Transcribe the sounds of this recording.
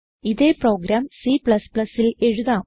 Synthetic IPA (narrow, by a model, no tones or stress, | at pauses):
iðe̞ːpro̞ːɡɾaːmsipɭɐspɭɐsile̞ɻuðaː